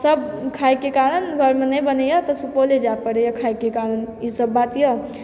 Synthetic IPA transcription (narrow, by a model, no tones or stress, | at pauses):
səb̚kʰajkekaɾənbʱəɾmenəbənəjɔt̪ɔsupoled͡ʒapəɾejɔkʰajkekaɾənisəbːat̪jə